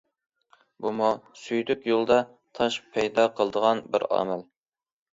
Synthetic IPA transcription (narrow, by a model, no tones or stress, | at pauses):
bumusyjd̪ykʲjolˠd̪ɑ | t̪ʰɑʃpʰɛjd̪ɑqʰəlˠəd̪əʁɑnbɪ̰ɾɑ̰ːmæl